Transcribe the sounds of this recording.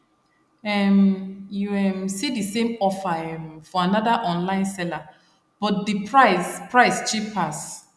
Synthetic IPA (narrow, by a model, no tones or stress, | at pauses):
ɛmjuɛmsidisẽmɔfaɛ̃mfɔanɔdaʔɔ̃nlãɪ̃nsɛla | b̥ɔtdipʰɹaɪspɹaɪst͡ʃipʰas